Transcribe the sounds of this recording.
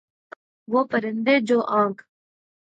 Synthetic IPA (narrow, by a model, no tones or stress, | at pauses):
wopɐɾɪnd̪eːd͡ʑoːʔãːŋk